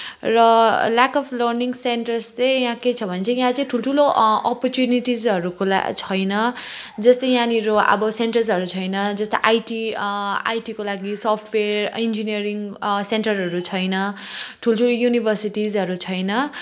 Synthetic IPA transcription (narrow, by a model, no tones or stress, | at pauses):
rʌlakʌpʰlʌrniŋseɳʈʌrstʌjjãket͡sʰʌbʱʌnet͡sʰʌjãt͡sʌĩʈʰuloʈʰuloʌpʌrt͡sjuniʈizʌɾukola̰t͡sʰʌjnʌd͡zʌst̪ʌjjãniɾoʌ̰bʌseɳʈʌrsɦʌɾut͡sʰʌjnʌd͡zʌst̪ʌ̰jʔajʈia̰jʈikolaɡisʌpʰʈʰwerind͡ziniʌɾiŋseɳʈʌrɦʌɾut͡sʰʌjnʌʈʰulʈʰulojunibʱʌrsiʈizʌɾut͡sʰʌjnʌ